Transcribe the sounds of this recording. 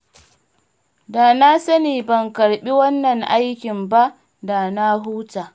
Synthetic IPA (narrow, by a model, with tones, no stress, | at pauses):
da˨na˦sɐ˦niː˨bɐ˨ŋkɐ˨ɽɓi˦wɐ˦nːɐ˨ŋʔa˦jkʲɪ˨mba˦ | da˨na˦ɦuː˦taː˨